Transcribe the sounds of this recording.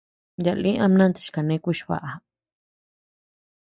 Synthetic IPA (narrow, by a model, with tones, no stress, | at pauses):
ja˨lĩ˦ʔã˦˧mnã˦nt̪i̥˨ʃka˨nẽ˧˦kʷi˦˧ʃβa̰˧ʔa˨